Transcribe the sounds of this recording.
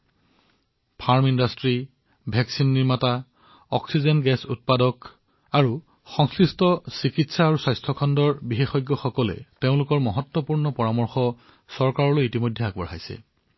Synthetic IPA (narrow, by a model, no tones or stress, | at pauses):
pʰaɹmindastɹi | bʱɛksinːiɹmata | ɔksizɔnɡɛsṵt̚padɔk | aɹu | xɔŋsɹistɔsikitsaːɹuswajstʰɔkʰɔndɔɹbixexɔjɡːɔxɔkɔlɛ̰teʊ̃lʊkɔɹmɔɦɔtwɔpuɹnɔpɔɹamɔɹxɔ | sɔɹkaɹɔlojitimojdʱːɛak̚bɔɹɦajsɛ̰